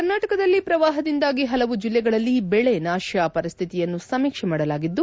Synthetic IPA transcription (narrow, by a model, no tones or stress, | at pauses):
kɐɾnaːʈɐkɐd̪ɐlːipɾɐʋaːɦɐd̪ind̪aːɡiɦɐlɐʋud͡ʒilːɛɡɐɭɐlːibɛɭenaːʃjaːpɐɾist̪ʰit̪ijɐnːusɐmiːkʂɛmaːɽɐlaːɡid̪ːu